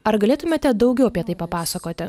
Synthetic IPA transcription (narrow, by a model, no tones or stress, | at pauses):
ɐɾɡɐlʲeːt̪ʊmʲeːt̪ʲɛd̪ɐʊɡʲɛʊɐpʲiɛt̪ɐɪpɐpɑːsɐkoːt̪ʲɪ